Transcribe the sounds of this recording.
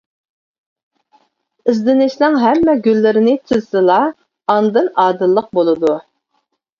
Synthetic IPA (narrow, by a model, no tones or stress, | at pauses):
ɪzd̪ɪnɪʃlɪŋɦɛmːɛɡʲylːɪɾɪnɪt̪ʰɨzsɨlˠɑ | ɑnd̪ɨnɑːd̪ɨlˠːəq̚bolˠɨd̪u